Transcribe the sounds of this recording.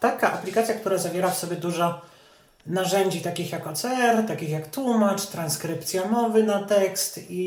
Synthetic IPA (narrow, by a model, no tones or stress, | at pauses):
t̪akaʔaplʲikat̪sʲjak̚t̪uɾazavʲjɛɾafsɔbʲjɛd̪uʐɔ | naʐɛɲd͡ʑit̪akʲixjakɔt̪sɛɛɾt̪akʲixjakt̪wumat͡ʂt̪ɾanskɾɘpt̪sʲjamɔvɘnat̪ɛkst̪i